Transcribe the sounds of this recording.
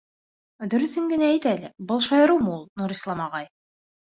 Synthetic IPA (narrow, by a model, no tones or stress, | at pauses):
d̪ɵ̆ɾɵ̆θhɘŋɡɘ̆nææjt̪ælɘbɤlˠʃɑjɤ̆ɾɤwmɤulˠnuɾislˠɑmɑʁɑj